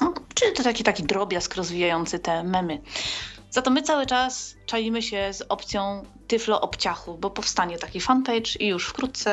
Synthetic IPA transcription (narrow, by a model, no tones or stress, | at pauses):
ɔt͡ʂɘt̪ɔt̪akʲit̪akʲid̪ɾɔbʲjaskɾɔzvʲijajɔnt̪sɘt̪ɛmɛmɘ | z̥at̪ɔmɘt̪sawɘt͡ʂast͡ʂalʲimɘɕɛzɔpt̪sʲjɔ̃w̃t̪ɘflɔʔɔpt͡ɕaxubɔpɔfst̪aɲɛt̪akʲifanpɛjt͡ʂijuʂfkɾut̪̚t̪sɛ